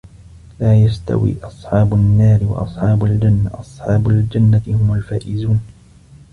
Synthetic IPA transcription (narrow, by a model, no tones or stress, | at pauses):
laːjast̪a̰wḭːʔɑsˤħɑːbʊnːaːɾɪwɑ̰ʔɑsˤħɑːbald͡ʒanːaʔɑsˤħɑːbʊld͡ʒanːaɪhʊmalfaːʔɪzuːn